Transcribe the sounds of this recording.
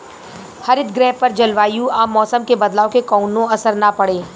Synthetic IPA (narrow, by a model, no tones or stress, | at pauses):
hɐɾɪt̪̚ɡɾɛːppːɐɾd͡ʒɐlʋaːjũaːmːɔːsəmkebɐd̪laːõkekɔːnõɐsəɾnapɐɽeː